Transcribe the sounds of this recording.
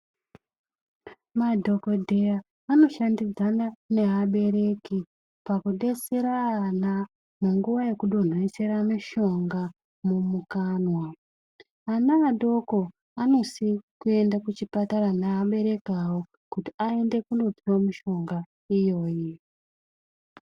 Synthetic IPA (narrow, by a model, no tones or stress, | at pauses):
madʱo̞ko̞dʱe̞jaː | no̞ʃandid͡zanane̞ɦaɓe̞ɾe̞ki | pakuɗe̞seɾaːna | muŋɡuʋaje̞kuɗo̞n̤oise̞ɾamiʃo̞ŋɡa | mumukaːnwa | anaːɗo̞ko̞ | ano̞sikue̞ndakut͡ʃipataɾanaaɓe̞ɾe̞kawo | kutiae̞nde̞kuno̞piwomiʃo̞ŋɡa | ijo̞ːji